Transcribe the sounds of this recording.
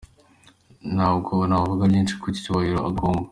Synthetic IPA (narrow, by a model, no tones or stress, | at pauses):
naːbɡonaβavuɡaɟiːnt͡ʃi̥kʰuci̥tuβahiɾoaɡoːmba